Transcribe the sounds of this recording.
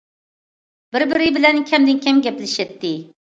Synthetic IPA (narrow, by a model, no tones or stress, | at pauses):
bɪɾbɪɾɪbɪlɛnkʲʰɛmd̪ɪnkʲʰɛmɡʲɛplɪʃɛt̪ːɪ